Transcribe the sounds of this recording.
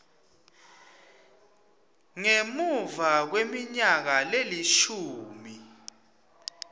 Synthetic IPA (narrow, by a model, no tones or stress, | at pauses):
ŋemuvak̬wemiɲak̬aleliʃuːmi